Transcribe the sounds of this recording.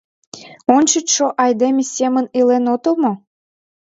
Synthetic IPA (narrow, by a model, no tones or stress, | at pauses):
ont͡ɕət̪ʃoʔɑjd̪emʲesʲemənilenot̪omo